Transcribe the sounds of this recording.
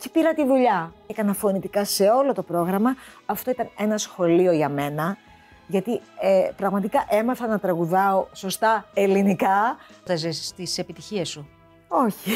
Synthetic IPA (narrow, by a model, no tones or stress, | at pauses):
ci̥piɾɐt̪iðuʎɐkɐnɐfo̞nit̪ikɐse̞o̞lo̞t̪o̞pɾo̞ɣɾɐmɐɐft̪o̞it̪ɐne̞nɐsxo̞lio̞ʝɐme̞nɐ | ʝɐt̪iepɾɐɣmɐt̪ikɐʔe̞mɐθɐnɐt̪ɾɐɣuðɐo̞so̞st̪ɐe̞linikɐt̪ɐzest̪ise̞pit̪içiesu | o̞çi